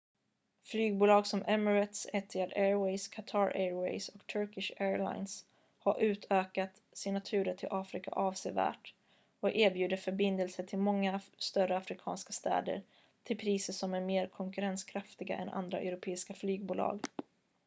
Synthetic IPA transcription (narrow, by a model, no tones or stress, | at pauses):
flyːɡ̚buːlɑːɡsɔmʔɛməɾɛt̪sɛt̪ʰːɪad̪ɛːɹwɛɪskʰat̪ʰɑːɾʔɛɹwɛ̰ɪsɔkt̪ʰœɾkɪʂɛːɹla̰ɪns | haɾʔʉ̟ːt̪ʰøːkat̪ | sɪnat̪ʰʉ̟ːɾəʈʰɪlʔɑːfɾɪka̰ʔɑːvsevæ̰ːʈ | ɔkeːɾbjʉ̟ːd̪əfœɾbɪnd̪əlsəʈʰɪlmɔŋːast̪œrəafɾɪkʰɑ̰ːnskast̪ɛ̰ːd̪ə̰ɾ | t̪ʰɪlpʰɾiːsəʂɔmæɾmeːɾkʰɔŋkɵɾɛnskʰɾaft̪ɪɡa̰ʔɛ̰nʔa̰nd̪ɾa̰ʔɛ̰ɾʊpʰeːɪskaflyːɡ̚buːlɑ̰ːɡ